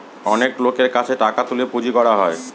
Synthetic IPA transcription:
ɔneklokeɾkat͡ɕʰeʈakat̪ulipud͡ʑikɔɽaɦɔe

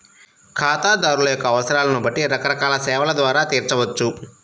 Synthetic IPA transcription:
kʰaːt̪aːd̪aːɾulɐjɔkːɐːʋɐsɐɾaːlɐnubɐʈːiɾɐkɐɾɐkaːlɐsɛːʋɐlɐd̪ʋaːɾaːt̪iːɾt͡ʃɐʋɐt͡ʃːu

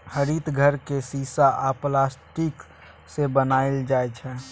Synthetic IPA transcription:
həɾit̪ɡʱəɾkesisaʔaplasʈik | sebənaɪld͡ʒaɛt͡ʃʰɛ

